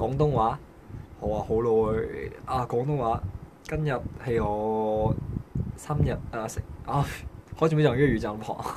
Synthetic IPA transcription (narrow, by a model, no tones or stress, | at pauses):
kɔːŋt̪ʊŋwaː | ɔwaːhowlowhaːkɔːŋt̪̬ʊŋwaː | kɐnjɐt̚hejɔː | saːmjɐt̚aːsɪŋʔaːhɔːjʰsʰimojɐŋyːyːt͡saːpʰɔ̰ːŋ